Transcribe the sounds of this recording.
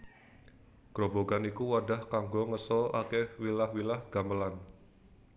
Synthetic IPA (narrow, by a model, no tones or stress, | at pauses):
ɡ̥ɾoboɡanikuwada̤hkaŋɡoŋəsɔa̰kewilahwilahɡ̥a̤məlan